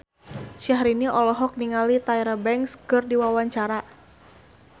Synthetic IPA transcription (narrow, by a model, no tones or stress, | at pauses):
ʃaɦɾiniʔɔlɔɦɔk̚niŋalit̪aiɾəbɛŋkskɨrdiwawaɲt͡ʃaɾa